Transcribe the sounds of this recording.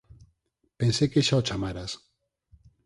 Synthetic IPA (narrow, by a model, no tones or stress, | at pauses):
pensekeʃaot͡ʃamaɾas